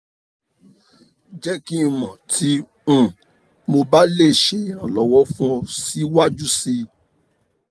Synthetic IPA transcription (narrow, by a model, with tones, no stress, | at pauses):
d͡ʒɛ˦ki˦˧˨mɔ̃˨tʰĩ˨˦˨ | mo˧ba˦le˦˨ʃe˧ã˨lɔ˨wɔ˦fũ˦si˦wa˦d͡ʒu˦si˧